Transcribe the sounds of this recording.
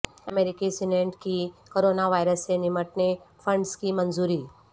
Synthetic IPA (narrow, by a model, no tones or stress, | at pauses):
ɐmeːɾɪkisɪneɳʈkikoːɾoːnaʋaːɪɾəsːenɪməʈnefʰə̃ɳɖskimɐnzuːɾiː